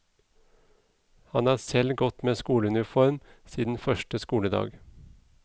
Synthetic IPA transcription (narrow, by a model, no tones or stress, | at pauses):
hɑnɑːsɛlɡɔt̪meːskuːləʉnɪfɔɾmsiːd̪n̩fœʃʈəskuːləd̪ɑ̰ːɡ